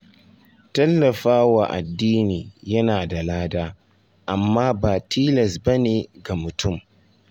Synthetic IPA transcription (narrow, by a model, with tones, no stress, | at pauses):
tɐ˦lːɐ˨ɸaː˦wa˨ʔa̰˨dːiː˦niː˨jɐ˦naː˨da˨laː˦daː˦ | ʔa˨mːaː˦baː˨tʰiː˦lɐ˨sbɐ˦neː˨ɡa˨mʊ˨tʊ˦˨m